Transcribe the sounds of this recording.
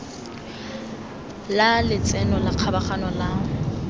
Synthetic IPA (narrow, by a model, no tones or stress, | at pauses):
lalɪt͡sʼɛnɔlaq͡χʰabaχanɔlaŋ̩